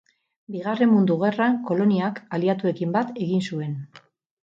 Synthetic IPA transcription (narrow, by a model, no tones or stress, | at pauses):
biɣ̞are̞mːund̪uɣ̞e̞raŋko̞lo̞niakaliat̪ue̞kimbat̪e̞ɣinsue̞n